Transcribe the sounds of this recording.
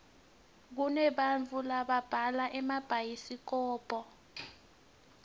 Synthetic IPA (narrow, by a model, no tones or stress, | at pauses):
k̬unɛɓant͡fʰʼulaɓab̥ʱalaʔɛmab̥ʱajisik̬ɔːpʼɔ